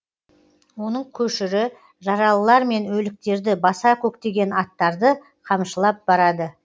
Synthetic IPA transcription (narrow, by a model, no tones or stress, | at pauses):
wo̞nəɴkʲʰɵʃɪɾɪ | ʒɑɾɑlˠəlˠɑɾme̞nwɵlɪk̚t̪e̞ɾd̪ɪbɑsɑkʲʰɵk̚t̪e̞ɡʲe̞nɑt̪ːɑɾd̪ə | qʰɑmʃəlˠɑp̚bɑɾɑd̪ə